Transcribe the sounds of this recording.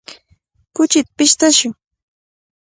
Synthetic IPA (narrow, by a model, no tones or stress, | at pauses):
kʊt͡ʃɪt̪apɪʃt̪aʃʊŋ